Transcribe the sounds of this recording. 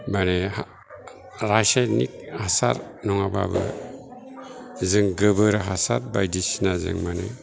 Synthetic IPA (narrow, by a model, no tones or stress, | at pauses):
mane | ɾajsanik̚asa̰ɾnɔŋaba̰bɯ̰ | zɯŋɡəbɯɾaɦasat̚ba̰jdisinazɯ̰ŋmanɛ